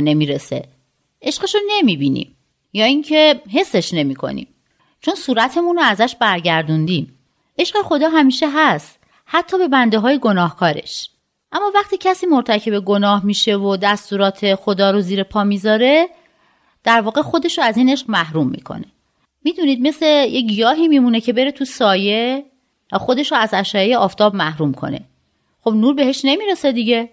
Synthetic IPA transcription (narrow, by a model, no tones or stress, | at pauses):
ne̞miːɾesḛ | ʔe̞ʃɢeʃone̞miːbiːnḭm | jɒːiɲcʰe̞ɦe̞sːe̞ʃne̞miːkʰo̞̰nḭːm | t͡ʃʰo̞nsuːɾæt̪ʰe̞munoæzæʃbæɾɟæɾd̪und̪iːm | ʔe̞ʃɢexo̞d̪ɒːɦæmiːʃeɦæst̪ | hæt̪ʰːɒːbe̞bænd̪e̞ɦɒːjeɡo̞nɒːhkʰɒːɾe̞̰ʃ | ʔæmːɒːvæχt̪iːcʰæsiːmoɾt̪ʰæcʰe̞beɡo̞nɒːhmiːʃevod̪æst̪uːɾɒːt̪ʰe̞xod̪ɒːɾoziːɾepʰɒːmiːzɒːɾe̞ | d̪̥æɾvɒːɣe̞xo̞d̪e̞ʃoæziːneʃɢmæhɾumːḭːkʰo̰ne | miːd̪uniːd̪̚me̞slejeɟijɒːɦiːmiːmunecʰe̞be̞ɾe̞t̪ʰusɒːje | xo̞d̪e̞ʃoæzæʃɒːjejeɒːft̪ʰɒːbmæhɾumkʰo̞̰ne̞̰ | xobnuːɾbe̞he̞ʃne̞miːɾesed̪iɟe